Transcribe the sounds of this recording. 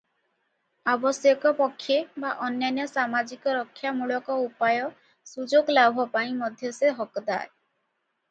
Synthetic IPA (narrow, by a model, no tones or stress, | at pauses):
abɔsjɔkɔpɔkʰːebaʔɔnjanjɔsamad͡ʒikɔɾɔkʰːjamuɭɔkɔupajɔ | sud͡ʒoɡlabʱɔpaĩmɔd̪ʱjɔseɦɔkɔd̪a̰e